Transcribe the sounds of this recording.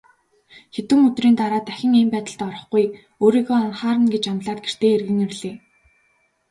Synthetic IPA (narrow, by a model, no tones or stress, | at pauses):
xet̪wɘ̆ŋɵt̪riːnt̪aɾaːt̪æxʲɪ̆ŋempæːt̪ə̆ɬt̪ɔɾɞ̆χɡuj | oːɾiːɣoːɔnχaːɾə̆nɡet͡ɕamɮaːt̪̚ɡer̥t̪eːerɣɘ̆ŋirɮeː